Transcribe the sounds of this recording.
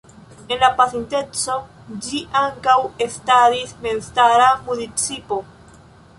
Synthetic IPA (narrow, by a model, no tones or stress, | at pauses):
e̞nlapaθent̪e̞t͡so̞ | d͡ʒiʔaŋkawest̪adisme̞nst̪aɾamunit͡sipo